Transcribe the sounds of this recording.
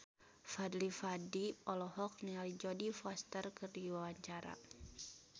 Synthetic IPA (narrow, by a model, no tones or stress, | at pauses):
fadlifadiɔlɔɦɔk̚nialid͡ʒɔdifɔst̪ərkərdiwawaɲt͡ʃaɾa̰